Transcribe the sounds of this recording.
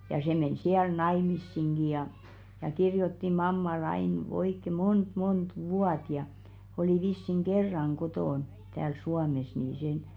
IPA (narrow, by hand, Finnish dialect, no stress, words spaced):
jɑ se men siæl nɑimisːiŋɡ̊i jɑ jɑ kirjotːi mɑmːɑl ɑin oikːe mont mont ʋuɑt jɑ oliˑ ʋisːiŋ ɡ̊erːɑŋ ɡ̊otoˑn tæːl suɑmes niː sen